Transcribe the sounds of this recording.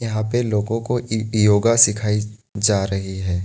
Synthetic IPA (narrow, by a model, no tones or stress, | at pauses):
jɐɦãpeloːɡõkojoːɡasɪkʰaːi | d͡ʒaːɾɐɦiɦɛː